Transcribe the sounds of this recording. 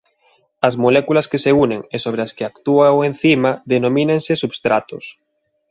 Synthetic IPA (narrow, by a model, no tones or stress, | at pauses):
ɐzmolɛkulaskeseuneŋesoβ̞ɾeaskeakt̪uaoẽnθimaðenomĩnẽŋsesubst̪ɾat̪os